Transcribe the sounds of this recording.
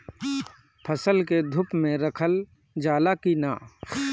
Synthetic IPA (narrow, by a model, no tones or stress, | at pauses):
pʰəsəlked̪ʱʊpmẽɾəkʰəl | d͡ʒaːlakinaː